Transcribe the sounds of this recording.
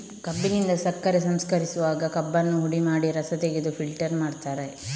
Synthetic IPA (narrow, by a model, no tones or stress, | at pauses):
kɐbːinind̪ɐsɐkːɐɾesɐmskɐɾisuʋaːɡɐkɐbːɐnːuɦuɽimaːɽiɾɐsɐt̪eɡid̪upʰilʈɐɾmaːɖt̪aːɾe̞